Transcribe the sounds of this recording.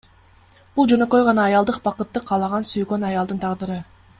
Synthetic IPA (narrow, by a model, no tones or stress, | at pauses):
b̥ulˠd͡ʒø̞nø̞kø̞jʁɑnɑːjɑlˠd̪ɯqbɑqɯt̪ːɯqʰɑːlˠɑʁɑnsyjɡø̞nɑjɑlˠd̪ɯnt̪ʰɑʁd̪ɯɾɯ